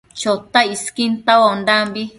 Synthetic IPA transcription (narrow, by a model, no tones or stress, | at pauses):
t͡ʃot̪aiskint̪awand̪ambi